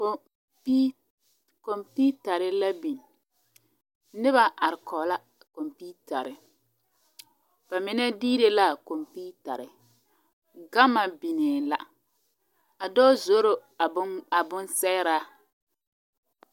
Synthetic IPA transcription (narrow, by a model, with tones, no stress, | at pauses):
ko˨mpi˦ta˨ɾɪ˨la˦bi˨n˨ | nɪ˦ba˨ʔa˨ɾɪ˨kʰɔ˨la˦ | ko˨mpi˦ta˨ɾɪ˨ | b̥a˨mɪ˨nɛ˦diː˦de˦la˦˨ko˨mpi˦ta̰˨ɾɪ˨ | ɡa˦ma˨bi˨ne˨la˨ | a˨dɔː˦zo˦ɾo˦˨ | a˨bʊ˦nsɛ˦ɾa˦